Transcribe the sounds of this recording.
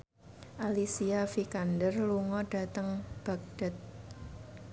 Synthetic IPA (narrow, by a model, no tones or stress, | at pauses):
ʔalisiafikandərluŋɔɖ̥a̤t̪əŋb̥a̤k̚ɖ̥ə̤t̪̚